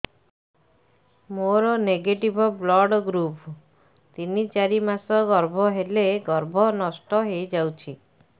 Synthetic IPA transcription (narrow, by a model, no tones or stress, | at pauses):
moɾɔneɡeʈibʱɔblɔɽɡɾup | t̪init͡ʃaɾimasɔɡɔɾbʱɔɦeleɡɔɾbʱɔnɔsʈɔɦejd͡ʒawt͡ʃʰi